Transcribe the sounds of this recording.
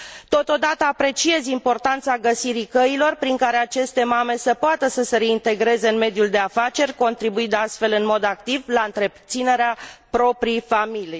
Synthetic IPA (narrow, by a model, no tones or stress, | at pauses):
t̪o̞t̪o̞d̪at̪əapɾe̞t͡ʃie̞zimpo̞rt̪ant̪saɡəsiɾikəilo̞rpɾiŋkaɾe̞at͡ʃe̞st̪e̞mame̞səpoat̪əsəse̞ɾe̞int̪e̞ɡɾe̞ze̞ɨnme̞d̪juld̪e̞afat͡ʃe̞rʲko̞nt̪ɾibuid̪ast̪fe̞lɨnmo̞d̪ak̚t̪ivlaɨnt̪ɾe̞p̚t̪sine̞ɾeapɾo̞pɾijfamiliej